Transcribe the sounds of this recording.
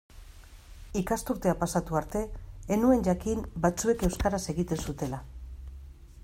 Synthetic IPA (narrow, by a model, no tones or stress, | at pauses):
ikast̪uɾt̪eapasat̪uaɾt̪e̞ːnue̞nʝakimbat͡sue̞ke̞wskaɾase̞ɣit̪e̞nsut̪e̞la